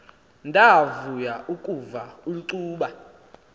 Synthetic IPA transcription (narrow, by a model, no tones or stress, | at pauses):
ndʱavujaʔukʼuvauluǀuːɓa